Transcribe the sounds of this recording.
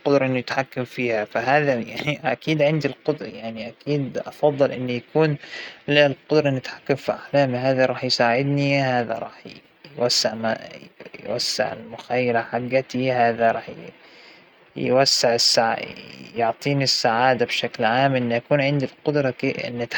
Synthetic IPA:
qʊd̪ɾˤɑʔɪnːujɪt̪ħakːamfiːhafaɦaːðajaʕniʔakiːd̪ʕɪnd̪ilqʊd̪ɾˤɑjaʕniʔakiːd̪ʔɑfɑðˤːɨlʔɪnːujakuːnlɪlqʊd̪ɾˤɑnɪt̪ħḁkːamfiʔaħlaːmiɦaːðaɾˤɑːħjsaːʕɪd̪nihaːða̰ɾˤɑ̰ːħ | jwasːaʕma̰jwa̰sːa̰ʕɪ̰lmʊxajːaɾaħaɡːat̪ihaːðaɾˤɑːħj | jwasːaʕɪsːaʕjʊʕt̪ˤiːnisːaʕaːd̪abʃaklʕaːmʔɪnːʔakuːnʕɪnd̪ilqʊd̪ɾˤɑɪ̰nːɪt̪

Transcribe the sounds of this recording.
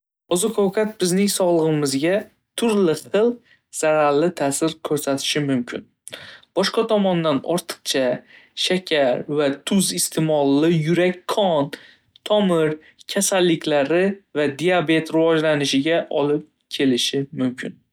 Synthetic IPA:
ɒzʊkʰawkʰat̪̚bɪznɪŋsɒʁlˠɨʁɨmɪzɡʲa | t̪ʰʊɾlɪχɨlˠq | z̥aɾaɾlɪt̪ʰaːsɪɾkʲʰɵɾsat̪ʰɪ̥ʃɪmʊmkʲʰɪn | b̥ɒʃqɑt̪ʰɒmɒnd̪anɒ̰ɾt̪ʰɨ̥qt͡ʃʰaʃakʲʰaɾvat̪ʰʊzɪst̪ʰemɒlˠːɪjʊɾakʲkʰːɒn | t̪ʰɒmɪɾ | kʲʰasalːɪkʲʰlaɾɪvad̪ijabe̞t̪ɾɪvɒd͡ʒlanɪʃɪɡʲaʔɒlɪp̚ | kʲʰe̞lɪʃɪmʊmkʲʰɪn

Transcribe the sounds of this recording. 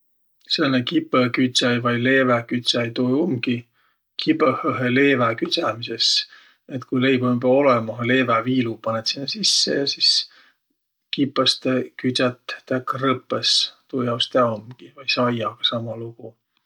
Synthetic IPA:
senːekipˑːəkyt̪sɑjvɑjle̞ːvækyt̪ʲsɑjt̪ojomɡ̥i | kʰibøhøɦele̞ːvækyt̪sæmises | et̪kujlejbombeo̞lɛmɑɦɑle̞ːvæviːlupɑnet̪sinːesisːḛjɑsis | kipːˑɑst̪ekyt̪sɑt̪ːækːrɤpːˑest̪ojɑwst̪eɑomɡ̥ivɑjsɑjɑɡ̥ɑsɑmɑluɡ̥u

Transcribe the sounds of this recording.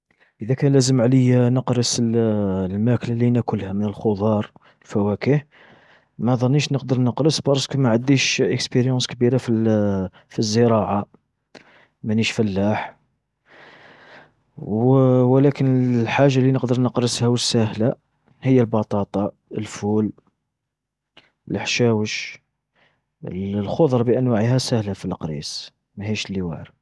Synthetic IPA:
ʔəd̪ækænlæzəmʕləjnəqɾəsəllmæklalinækʊlhæmənəlxod̪ˤɑɾˤ | əlfæwækəh | mæðˤɑnːiʃnəq̚d̪əɾˤnəqɾəsbɑɾˤskumaʕad̪iʃʔəkspiɾjɑ̃skbiɾafi | fizːəɾˤɑʕa | mæniʃfælːaħ | wlækənlħaʒːalinəqd̪əɾˤnəqɾəshæwəsːæhla | həjːəlbɑt̪ˤɑt̪ˤɑ | əlful | ələħʃæwəʃ | lxod̪ˤɾˤbiʔænwaʕhæsæhlafilqɾḭs | mæhiʃlːiwa̰ʕɾ

